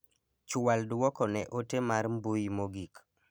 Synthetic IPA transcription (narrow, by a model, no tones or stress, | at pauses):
t͡ʃwaldwɔkɔnɛʔotemaɾmbujmoɡik